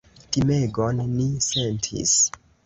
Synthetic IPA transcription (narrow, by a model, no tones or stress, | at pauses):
timeɡonːise̞ntʰḭs